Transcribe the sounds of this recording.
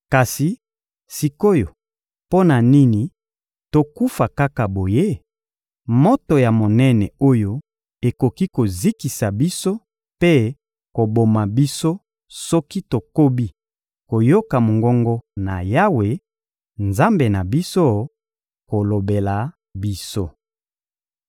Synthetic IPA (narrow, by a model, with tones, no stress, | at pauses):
ka˨si˨ | si˨ko˦jo˨ | po˦na˨ni˦ni˨ | to˨ku˦fa˨ka˦ka˨bo˨je˦ | mo˦to˨ja˨mo˨nɛ˦nɛ˨o˦jo˦ | e˨ko˨ki˦ko˨zi˦ki˨sa˨bi˦so˦ | pe˦ | ko˨bo˨ma˨bi˦so˦ | sɔ˦ki˦to˨ko˦bi˦ | ko˨jo˦ka˨mo˨ŋɡɔ˦ŋɡɔ˦na̰˨ja˦we˨ | nza˦mbe˨na˨bi˦so˦ | ko˨lo˨be˨la˨ | bi˦so˦